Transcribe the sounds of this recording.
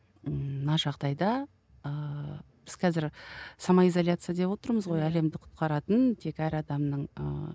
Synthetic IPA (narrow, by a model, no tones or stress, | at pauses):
nɑʒɑʁd̪ɑjd̪ɑ | əb̥ɪz̥qʰɑzɪɾsɑmɑizolʲjat̪sɨjad̪e̞pwo̞t̪əɾməzʁo̞jæle̞md̪ɪqʰʊ̥t̪̚qɑɾɑt̪ənt̪ʰe̞kæɾɑd̪ɑmnəɴə̰